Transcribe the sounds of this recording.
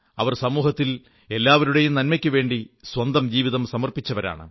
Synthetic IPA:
ɐʋɐrsɐmuːɦɐt̪ːil | e̞lːaːʋɐɾuɽe̞jumnɐnmɐkʲːɨʋe̞ːɳɖiswɐnd̪ɐmd͡ʑiːʋiðɐmsɐmɐrpit͡ɕːɐʋɐɾa̰ːɳɨ̰

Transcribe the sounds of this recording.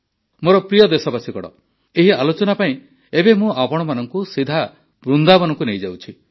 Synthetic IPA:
moɾɔpɾijɔd̪esɔbasikɔɽɔ̰ | eɦialot͡ʃɔnapaĩ | ebemũapɔɽ̃ɔmanɔŋkusid̪ʱa | bɾund̪abɔnɔŋkunejd͡ʒawt͡ʃʰi

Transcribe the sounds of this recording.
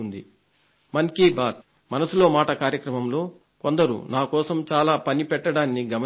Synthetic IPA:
und̪ḭ | mɐŋkiːbaːt̪̚ | mɐnɐsulo̞ːmaːʈɐkaːɾjɐkɾɐmɐmlo̞ː | kond̪ɐɾṵnaːkɔːsɐmt͡ʃaːlaːpɐnipɛʈːɐɽaːnːiɡɐmɐ

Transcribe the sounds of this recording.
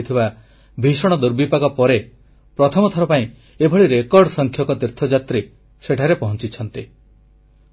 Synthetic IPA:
t̪ʰiba | bʱisɔɽ̃ɔd̪uɾbipakɔpɔɾe | pɾɔt̪ʰɔmɔt̪ʰɔɾɔpaĩ | ebʱɔɭiɾekɔɾɖsɔŋkʰjɔkɔt̪iɾt̪ʰɔd͡ʒat̪ɾi | seʈʰaɾepɔɦɔnt͡ʃit͡ʃʰɔnt̪i

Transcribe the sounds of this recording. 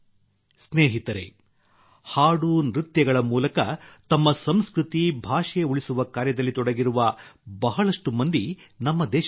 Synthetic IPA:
sneːɦit̪ɐɾḛ | haːɽuːnɾit̪jɐɡɐɭɐmuːlɐkɐt̪ɐmːɐsɐmskɾut̪ibʱaːʂɛuɭisuʋɐkaːɾjɐd̪ɐlːit̪ɔɽɐɡiɾuʋɐbɐɦɐɭɐʂʈumɐnd̪inɐmːɐd̪ɛːʃ

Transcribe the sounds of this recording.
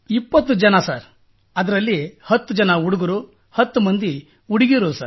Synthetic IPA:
ipːɐt̪ːud͡ʒɐnɐsaːɾ | ɐd̪ɐɾɐlːihɐt̪ːud͡ʒɐnɐuɽuɡɐɾu | hɐt̪ːumɐnd̪i | uɽiɡiɾuusa̰ɾ

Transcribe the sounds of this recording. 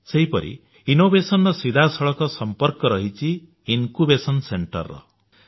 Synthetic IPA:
sejpʌ̰ɾʔḭ | inobesʌnːʌsid̪ʱasʌɭʌkɔsʌmpʌrkʌɾʌɦit͡sʰiː | nkubesʌnseɳʈʌ̰rːʌ̰

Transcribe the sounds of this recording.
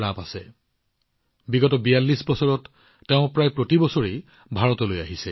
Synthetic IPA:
ɹapasɛ | biɡɔtɔbijalːisbɔsɔɹɔtː | eʊ̃pɹajpɹotibɔsɔɹe | bʱaɹɔtɔlojaɦisɛ

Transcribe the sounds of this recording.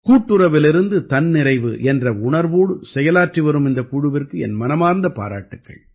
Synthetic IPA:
kuːʈːɯɾɐʋɪlɪɾɯnd̪ɯt̪ɐnnɪɾɐɪʋɯ̰ʔɛndrɐʊɳɐɾʋoːɽɯsɛjɐlaːʈriʋɐɾɯmɪnd̪ɐkuːɻɯʋɪrkɯɛ̰nmɐnɐmaːɾnd̪ɐpa̰ːɾa̰ːʈːɯkːɐ̰ɭ

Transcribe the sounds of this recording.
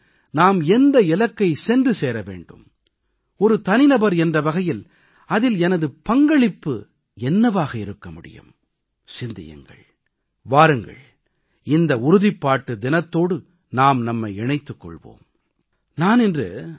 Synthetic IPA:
naːmɛnd̪ɐɪlɐkːɐɪsɛndrɯseːɾɐʋḛːɳɖɯ̰m | ɔɾɯt̪ɐnɪnɐbɐɾɛndrɐʋɐɣɐjɪl | ɐðɪlɛnɐðɯpɐŋɡɐɭɪpːɯ̰ | ɛnːɐʋaːɣɐɪɾɯkːɐmʊɽɪ̰jɯ̰m | sɪnd̪ɪ̰jɐ̰ŋɡɐ̰ɭ | ʋaːɾɯŋɡɐ̰ɭ | ɪnd̪ɐʊɾʊðɪpːaːʈːɯd̪ɪnɐt̪ːoːɽɯ | naːmnɐmːɐɪɛɳɐɪt̪ːɯkːɔ̰ɭʋo̰ːm | naːnɛndrɯ

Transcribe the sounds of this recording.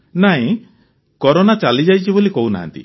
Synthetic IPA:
naɦĩ | kɔɾonat͡ʃalid͡ʒajt͡ʃʰibolikouna̰ɦa̰nt̪ḭ

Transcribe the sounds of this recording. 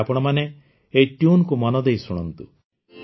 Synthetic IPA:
apɔɽ̃ɔmane | eʈjunkumɔnɔd̪ejsuɽ̃ɔnt̪ṵ

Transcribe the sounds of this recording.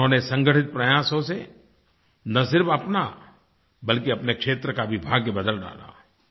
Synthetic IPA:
ɦõːnesɐ̃ŋɡəʈʰɪt̪̚pɾɐjaːsõse | nɐsɪɾfɐpna | bɐlkiɐpnekʃeːt̪ɾəkaʋɪbʱaːɡebɐd̪əlɖa̰ːla̰ː

